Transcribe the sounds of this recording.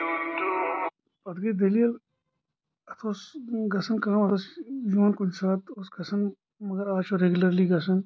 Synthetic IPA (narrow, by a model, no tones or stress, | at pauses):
pɐd̪ɡed̪ɐlijəl | ɐt̪ʰoːsɡɐsənkɐmɐt̪osjoːnkud͡ʒsaːt̪oːsɡɐsən | mɐɡɐɾaːt͡ʃoɾeɡuləɾliɡɐsən